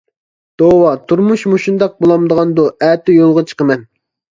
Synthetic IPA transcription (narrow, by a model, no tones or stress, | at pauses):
d̪̥owɑt̪ʰuɾmuʃmoʃund̪ɑq̚bolˠɑmd̪əʁɑnd̪uæːt̪ʰɪjolˠʁɑt͡ʃʰə̥qəmɛn